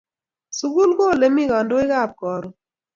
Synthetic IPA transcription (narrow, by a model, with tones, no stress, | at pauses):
su˦ɡu˦lɡo˦˨le˨˦mi˦˨ɡɔ˨ndo˦ɪ˦ɣa˦˨p̚kɔ˨ɾɔ˨